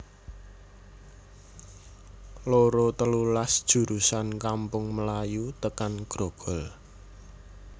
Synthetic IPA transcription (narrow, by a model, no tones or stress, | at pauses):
loɾot̪əlulasd̥ʒ̥ṳɾusankampʊŋməlajut̪əkanɡ̥ɾoɡ̥ɔ̤l